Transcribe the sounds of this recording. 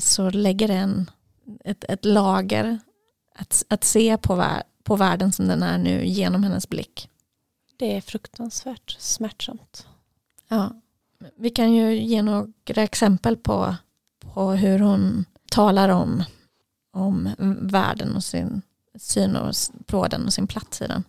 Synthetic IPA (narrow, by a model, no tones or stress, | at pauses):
sɔlɛɡːəɖɛnː | ɛt̪ɛt̪lɑːɡə̰ɾ | at̪at̪seːpʰɔvæ̰ | pʰɔvæːɖənsɔmd̪ɛnæ̰ɳʉ̟̰ːjeːnɔmhɛnːə̰sblɪ̰kː | d̪̥ɛæɾfɾɵkt̪ʰansvæːʈsmæʈʂamt̪ | jɑː | vɪkʰanjɵjeːnoːɡ̥ɾaɛksɛmpəlpʰɔ̰ | pʰɔɦɵɾhʊn | t̪ʰɑːlaɾɔm | ɔmvæ̰ːɖə̰nɔsɪ̰n | syːnɔ̰pʰɾoːd̪ə̰nɔsɪnpʰlat̪sɪ̰d̪ɛ̰n